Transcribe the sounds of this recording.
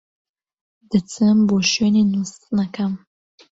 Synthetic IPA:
d̪ɨt͡sʰɨmboːʃøːninust̪nɐkɐm

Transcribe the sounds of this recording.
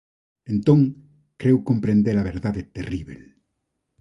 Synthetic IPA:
ẽnt̪õŋ | kɾewkompɾẽnd̪eɾɐβeɾðaðet̪eriβḛl

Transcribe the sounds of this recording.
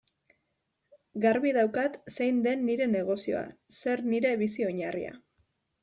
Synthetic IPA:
ɡaɾβiðawkat̪sejnd̪e̞nːiɾe̞ne̞ɣ̞o̞sio̞̰a̰se̞ɾniɾe̞βisio̞ɲarḭa̰

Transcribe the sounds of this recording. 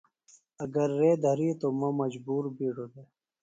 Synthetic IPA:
ɐɡɐɾːeːd̪ʱɐɾit̪omɐ̃mɐd͡ʑbuːɾbiɽod̪e

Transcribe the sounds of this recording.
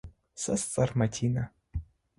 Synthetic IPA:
sɐst͡sʼɐrmɐtʲʰina

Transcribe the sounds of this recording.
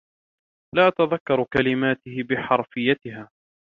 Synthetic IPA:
laːʔat̪aðakːɑɾˤkalɪmaːt̪ɪhɪbɪħɑɾˤfɪjːat̪ɪɦaː

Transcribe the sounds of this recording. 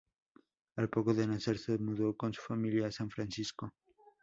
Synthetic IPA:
alpo̞ko̞ðenase̞ɾsemuðo̞ko̞nsu̥familjaːsaɱfɾansisko

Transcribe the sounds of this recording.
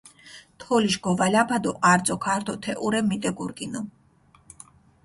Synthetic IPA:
t̪ʰɔliʃɡɔvalʲapʰad̪ɔʔaɾd̪zʼɔkʰaɾt̪ʰɔt̪ʰɛʔuɾɛmit̪ʼɛɡuɾkʼinɔ

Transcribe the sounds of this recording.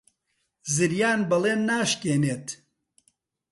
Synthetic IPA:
zɨɾjaːnbɐleːnːaːʃkeːneːt̪

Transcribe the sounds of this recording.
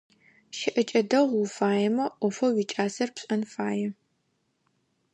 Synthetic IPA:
ʃɪʔɐt͡ʃʼɐdɐʁʷwufaːjɛmɐʔʷɔfɐwit͡ʃʼaːsɐrpɕʼɐnfaːjɛ

